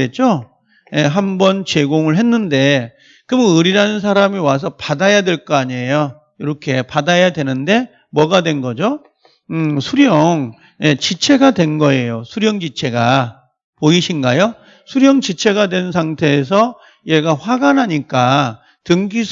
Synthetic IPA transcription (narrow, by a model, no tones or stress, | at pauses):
et̚t͡ɕ͈o | je̞ɦambʌnt͡ɕe̞ɡoŋɯɭɦe̞nːɯnde̞ | kɯmɯɯɾiɾanɯns̬ʰaɾamiwas̬ʰʌpadajadwe̞ɭk͈ʌaɲejo | iɾʌkʰe̞padajadwe̞nɯnde̞ | mwʌɡadwe̞nɡʌd͡ʑo | sʰuɾjʌŋ | je̞t͡ɕit͡ɕʰe̞ɡadwe̞nɡʌe̞josʰuɾjʌŋd͡ʑit͡ɕʰe̞ɡa | poiɕʰinɡajo | sʰuɾjʌŋt͡ɕit͡ɕʰe̞ɡadwe̞ns̬ʰaŋtʰe̞ːs̬ʰʌ | jeɡaɸwaɡanɦaɲik͈a | tɯŋɡisʰ